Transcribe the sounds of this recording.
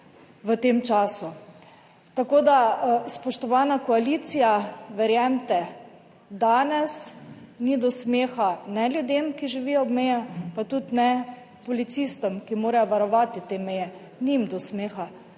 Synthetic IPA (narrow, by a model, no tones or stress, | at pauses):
ʋət̪eːmt͡ʃaːsu | t̪akoːd̪aspɔʃt̪ɔʋaːnakɔaliːt̪sijaʋɛɾjɛmt̪ɛ | d̪aːnɛsnid̪ɔsmeːxanɛlʲjud̪eːmkiʒiʋijɔɔbmɛjɛpat̪ut̪nɛ | pɔlit̪siːst̪ɔmkimoːɾajɔʋaɾɔʋat̪it̪emɛjɛ | nimd̪ɔsmeːxa